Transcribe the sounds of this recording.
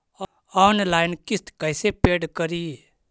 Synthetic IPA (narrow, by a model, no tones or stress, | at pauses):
ɔːnlaːɪnkɪst̪kəɪsepeːɖkəɾi